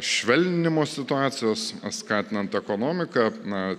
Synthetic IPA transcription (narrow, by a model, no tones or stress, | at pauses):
ʃʲʋʲɛlʲnʲɪnʲɪmoːsʲɪt̪ʊɑːt̪sʲɪjoːsskɑːt̪ʲɪnɐnt̪ɛkoːnoːmʲɪkɐnɐ